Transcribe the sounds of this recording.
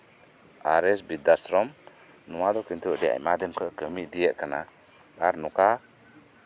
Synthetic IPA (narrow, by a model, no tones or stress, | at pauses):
aɾɛsbid̪asɾɔm | nuwad̪ɔkint̪uʔdɛa̰jmad̪əmkəʔkəmiʔdijɛʔkəna̰ | ɡaɾnuka